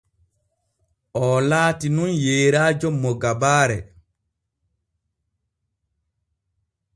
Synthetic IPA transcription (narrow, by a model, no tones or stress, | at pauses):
ʔɔlaːtinunjeːɾaːd͡ʒɔmːɔɡabaːɾɛ